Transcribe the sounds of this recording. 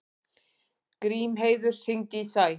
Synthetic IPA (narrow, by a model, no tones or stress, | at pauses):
kɾiːmɦeːjðʏɾ̥sɪŋt̪isaj